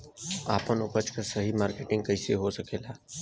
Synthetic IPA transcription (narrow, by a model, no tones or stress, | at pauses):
aːpənʊpət͡ʃkasɐɦimaːɾkeːʈɪ̃ŋɡ̚kɐɦseɦosɐkeːlaː